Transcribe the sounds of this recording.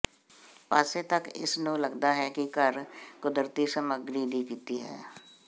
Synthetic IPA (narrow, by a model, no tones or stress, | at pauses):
paːset̪ɐkɪ̰snõːlɐɡd̪aɦɛkikɐɾkʊd̪ɾt̪isɐməɡɾiːd̪iːkiːt̪iɦɛ̰ː